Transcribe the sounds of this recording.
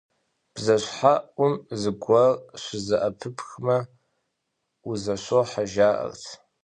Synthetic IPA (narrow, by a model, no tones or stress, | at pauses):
b̥zaʃʷħaʔʊmzɨɡʷarʃʷɪzaʔapʰɨpʰxma | uzaʃʷoħaʒaːʔa̰rtʰ